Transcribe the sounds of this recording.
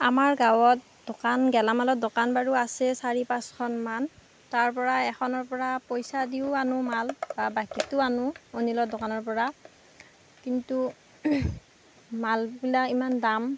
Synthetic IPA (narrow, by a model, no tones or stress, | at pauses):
amaɹɡawɔt̚ | dɔkanɡɛlamalɔtdokanbaɹuasɛsaɹipãskʰɔnman | taɹpɔɹaɛxʰɔnɔɹpɔɹapojsadiʊanʊmalbabakitʊanʊonilɔdɔkanɔɹpɔɹa | kintu | malbilakimandam